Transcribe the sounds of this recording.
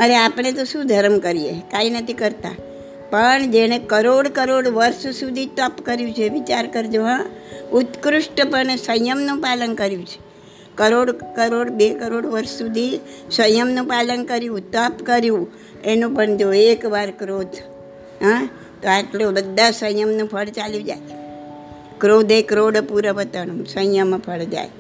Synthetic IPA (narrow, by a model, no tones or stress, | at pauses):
əɾeapəɳ̃et̪̬oʃũd̪ʱəɾəmkəɾijekainət̪ʰikəɾt̪a̰ | pəɳd͡ʒeɽ̃ẽkəɾoɽkəɾoɽʋəɾssud̪ʱit̪əpkəɾjũt͡ʃʰeʋit͡ʃaɾkəɾd͡ʒoɦãʊt̪kɾʊʃʈpəɳesəjjəmnũpalənkəɾjũt͡ʃʰe̥ | kəɾoɽkəɾoɽbekəɾoɽʋəɾʃsud̪ʱisə̃jjəmnũpalənkəɾjũt̪əpkəɾjũ | enũpəɳd͡ʒoekʋaɾkɾod̪ʱ | ɦã | t̪oaʈlobəd̪ʱːasə̃jjəmnũpʰəɭt͡ʃaljũd͡ʒa̰j | kɾod̪ʱekɾoɽpuɾəʋət̪ənũsə̃jəmpʰəɭd͡ʒa̰j